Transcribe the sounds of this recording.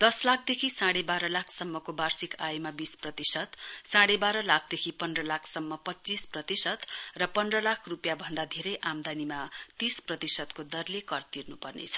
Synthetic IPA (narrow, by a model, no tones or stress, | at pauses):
d̪̥ʌslakʰd̪ekʰisaɽebaɾʌlakʰsʌmːʌkobarsikajmabisprʌt̪isʌt̪saɽebaɾʌlak̚ʰd̪ekʰipʌnrʌlakʰsʌmːʌpʌt͡sisprʌt̪isʌt̪rʌpʌnrʌlakʰrupjabʱʌnd̪ad̪ʱeɾʌjʔamd̪animat̪isprʌt̪isʌt̪kod̪ʌrlekʌrt̪irnupʌrnḛt͡sʰʌ̥